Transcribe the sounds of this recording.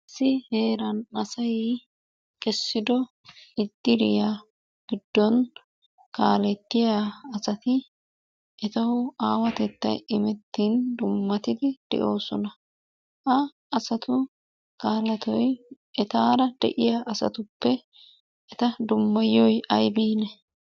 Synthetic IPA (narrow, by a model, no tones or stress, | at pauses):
ɪsːɪheːɾɐnɐsɐj | kʼɛsːɪd̪ɔ | ɪd̪̥ːɪɾɪja | ɡ̥ɪd̪ːɔn | kaːlɛt̪ːɪjaːsɐt̪ɪ | ʔɛt̪ɐhʊaːwɐt̪ɛt̪ːɐ̰jɪmɛt̪ːind̪ʊmːɐt̪ɪd̪ɪd̪̥ɛ̰ʔo̞ːsɔnɐ | ʔɐ | ɐsɐt̪ʊ | kaːlɐt̪ɔj | ɛt̪aːɾɐd̪̥ɛ̰ʔɪjaʔɐsɐ̰t̪ʊpːɛ | ɛt̪ɐd̪ʊmːɐjɔjɐjbiːnɛ